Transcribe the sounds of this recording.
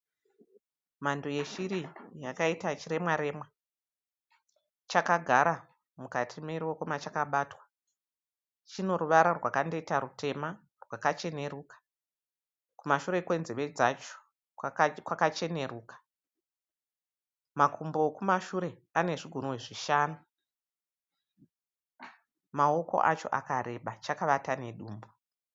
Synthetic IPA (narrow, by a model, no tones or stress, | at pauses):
mandoje̞ʃiɾijakaitat͡ʃiɾe̞mwaɾe̞mwa | t͡ʃakaɡʱaɾa | mukatʰimeɾwokomat͡ʃakaɓatwḁ | t͡ʃino̞ɾuʋaɾarwakande̞itaɾute̞ma | rwakat͡ʃe̞ne̞ɾukḁ | kumaʃuɾe̞kwe̞nzeʋe̞d͡zat͡ʃo̥ | kwakat͡ʃe̞ne̞ruːkḁ | makʰumboːkumaʃuɾe̞ | ane̞ʐiɡʱoɾuweʐiʃaːnu | mao̞ko̞̰ʔa̰t͡ʃo̞̰ʔa̰kaɾe̞ɓat͡ʃakaʋatane̞ɗuːmbo